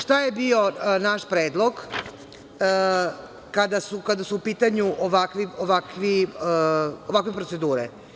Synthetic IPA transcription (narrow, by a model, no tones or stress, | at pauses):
ʃt̪aje̞bio̞naʃpɾeːd̪lˠoɡ | kad̪asukad̪asuːpiːt̪aɲuʔoʋakʋioʋakʋi | oʋakʋe̞pɾotse̞d̪uːɾḛ